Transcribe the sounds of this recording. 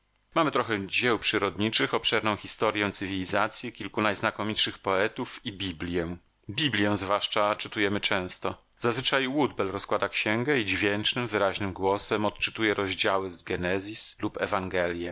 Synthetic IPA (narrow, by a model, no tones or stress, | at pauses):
mamɘt̪ɾɔxɛd͡ʑɛwpʂɘɾɔd̪ɲit͡ʂɘxɔpʂɛɾnɔ̃w̃xʲist̪ɔɾʲjɛ̃t̪sɘvʲilʲizat̪sʲjɛkʲilkunajznakɔmʲitʂɘxpɔɛt̪ufibʲiblʲjɛ | bʲiblʲjɛ̃zvwaʂt͡ʂat͡ʂɘt̪ujɛmɘt͡ʂɛ̃w̃st̪ɔ | zazvɘt͡ʂajwud̪bɛlɾɔskwad̪akɕɛŋɡɛid͡ʑvʲjɛnt͡ʂnɘmvɘɾaʑnɘmɡwɔsɛmɔt̪̚t͡ʂɘt̪ujɛɾɔʑd͡ʑawɘzɡɛnɛzʲislupɛvaŋɡɛlʲjɛ